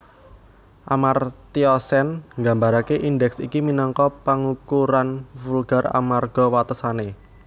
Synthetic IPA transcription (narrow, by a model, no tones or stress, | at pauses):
ʔamart̪iɔsɛnŋɡa̤mbaɾakeʔindɛksḭkiminɔŋkɔpaŋukuɾanfulɡ̥a̤ra̰marɡ̥ɔwat̪əsane